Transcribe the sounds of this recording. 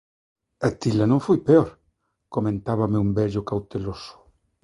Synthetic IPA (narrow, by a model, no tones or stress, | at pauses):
ɐt̪ilɐnõŋfojpeɔɾ | komẽnt̪aβamɪumbɛʎʊkawt̪elosʊ̥